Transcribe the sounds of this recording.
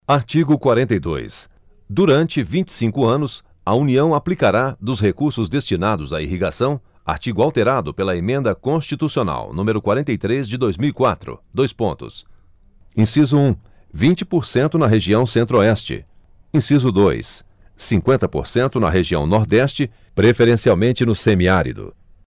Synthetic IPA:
aɾt͡ʃiɡʊkwaɾẽnt̪ejd̪o̰js | d̪uɾɐ̃nt͡ʃɪvĩnt͡ʃɪ̥sĩŋkʊɐ̃nʊs | ɐuniɐ̃w̃aplikaɾad̪ʊsɦekuɾsʊzd̪est͡ʃinad̪ʊzaiɦiɡasɐ̃w̃ | a̰ɾt͡ʃiɡʊawt̪eɾad̪ʊpelɐemẽnd̪ɐkõst͡ʃit̪usiona̰wnũmeɾʊkwaɾẽnt̪ejt̪ɾezd͡ʒɪd̪ojzmiwikwat̪ɾʊ̰d̪ojspõnt̪ʊ̰s | ĩsizʊũ | vĩnt͡ʃɪpoɾsẽnt̪ʊnɐɦeʒiɐ̃w̃sẽnt̪ɾoɛst͡ʃɪ̰ | ĩsizʊd̪ojsː | ĩŋkwẽnt̪ɐpo̰ɾsẽnt̪ʊnɐ̰ɦeʒiɐ̃w̃nɔɾd̪ɛst͡ʃɪ | pɾefeɾẽsiawmẽnt͡ʃɪnʊsẽmiaɾḭd̪ʊ̰

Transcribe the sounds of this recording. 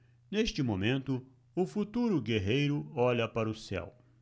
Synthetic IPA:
neʃt͡ʃɪmomẽnt̪ʊ | ʊfut̪uɾʊɡeɦejɾʊɔʎɐpaɾɐʊsɛ̰w

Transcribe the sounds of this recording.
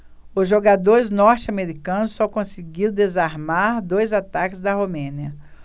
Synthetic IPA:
ʊzʒoɡad̪oɾɪznɔɾt͡ʃɪameɾikɐ̃nʊsːɔkõsiɡiɾwd̪ezaɾmaɾd̪ojzat̪akɪzd̪ɐɦomẽniɐ

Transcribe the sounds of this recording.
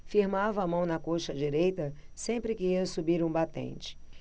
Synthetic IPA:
fiɾmavɐːmɐ̃w̃nɐkoʃɐd͡ʒiɾejt̪ɐsẽmpɾɪkɪiɐsubiɾũbat̪ḛ̃nt͡ʃɪ̥

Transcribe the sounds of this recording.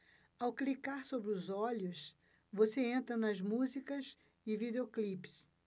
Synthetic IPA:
awklikaɾsobɾɪʊzɔʎʊs | voseẽnt̪ɾɐnɐzmuzikɐs | ɪvid̪eoklipɪ̥s

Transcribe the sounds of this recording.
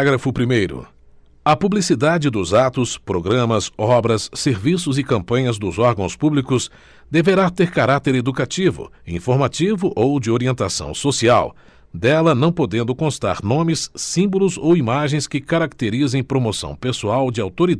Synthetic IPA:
ɡɾɐfʊpɾimejɾʊ̰ | ɐpublisid̪ad͡ʒɪd̪ʊzat̪ʊspɾoɡɾɐ̃mɐsɔbɾɐsːeɾvisʊzɪkɐ̃mpɐ̃ɲɐzd̪ʊzɔɾɡɐ̃w̃spublikʊs | d̪eveɾat̪eɾkaɾat̪eɾed̪ukat͡ʃivʊ̰ĩfoɾmat͡ʃivʊʔowd͡ʒɪoɾiẽnt̪asɐ̰̃w̃sosia̰w | d̪ɛlɐnɐ̃w̃pod̪ẽnd̪ʊkõst̪a̰ɾnõmɪsːĩmbʊlʊzowimaʒẽj̃skɪkaɾak̚t̪eɾizẽj̃pɾomosɐ̰̃w̃pesuawd͡ʒɪawt̪oɾid̪

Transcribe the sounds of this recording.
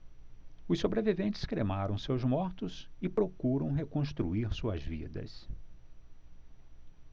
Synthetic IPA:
ʊsːobɾevivẽnt͡ʃɪ̥skɾemaɾɐ̃w̃sewzmɔɾt̪ʊzɪpɾokuɾɐ̃w̃ɦekõst̪ɾṵiɾsuɐzvḭd̪ɐ̰s

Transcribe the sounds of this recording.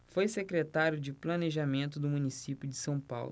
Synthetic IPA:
fojsekɾet̪aɾjʊd͡ʒɪplɐneʒamẽnt̪ʊd̪ʊmũnisipjʊd͡ʒɪsɐ̃w̃pa̰wlʊ

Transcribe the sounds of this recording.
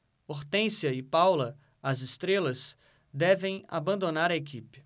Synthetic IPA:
oɾt̪ẽsiɐɪpawlɐ | ɐzɪst̪ɾelɐz | d̪ɛvẽj̃a̰bɐ̃nd̪onaɾɐek̬ipɪ̥

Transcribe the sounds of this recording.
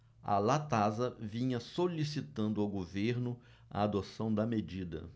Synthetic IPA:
ɐ̰lat̪azɐvĩɲɐsolisit̪ɐ̃nd̪ʊawɡoveɾnʊ | a̰ad̪osɐ̃w̃d̪ɐmed͡ʒid̪ɐ̰

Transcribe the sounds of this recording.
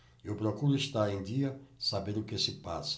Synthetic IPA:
ewpɾokuɾʊeʃt̪aɾẽd̪iɐsabeɾʊkesɪpasɐ̥

